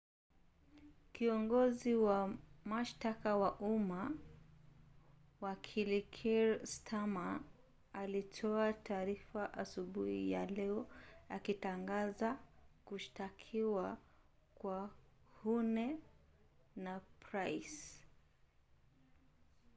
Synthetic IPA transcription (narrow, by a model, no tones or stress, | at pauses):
kiɔŋɡɔziwamaʃtakawaʔuma | wakʰilikʰiɾstʰamaː | litʰɔatʰaːɾifaʔasuɓuhḭja̰lɛɔakitaŋɡazakuʃtakʰiwa | kwahunɛ | napɾajs